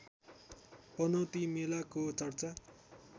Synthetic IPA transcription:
pʌnʌt̪imelakot͡sʌrt͡sa

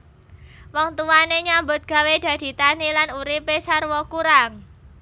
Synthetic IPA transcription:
wɔŋt̪uwaneɲambʊt̪̚ɡ̥a̤wed̪̥ä̤d̪̥i̤t̪anilanuɾipesarwɔkuɾaŋ

